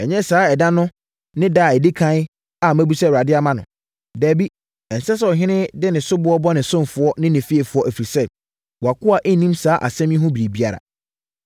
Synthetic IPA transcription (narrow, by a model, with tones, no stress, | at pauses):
ɛ˨ɲɛ̃˦saː˨˦ɛ˨dã˦nʊ̃˦ | nɪ̃˦da˦˨ɛ˨di˦kʰã˦ɪ˦ | a˨mæ̃˦bu˦sɛ˦˨a˨dɪ˦a˦˨mã˦nʊ̰̃˨ | dæː˨bi˦ | ɛ˨n̩˨sɛ˦sɛ˦ɔ˨ɦɪ̃˦nɪ̃˦dɪ˦nɪ̃˨sʊ˦bʊ˦ɔ˦bɔ˦nɪ̃˨sʊ̃˦mfʊ˨ɔ˦nɪ̃˦nɪ̃˨fi˦e˨fʊ˦ɔ˦ʔæ˨fi˨ɾi˨sɛ˦˨ | wa˨kʊ˦a˨ʔɛ˦nĩ˦msaː˨˦ʔa̰˨sɛ̃˦m˦ɪ̃˦ɦʊ̃˦bi˨ɾi˨bi˦a˨ɾa̰˨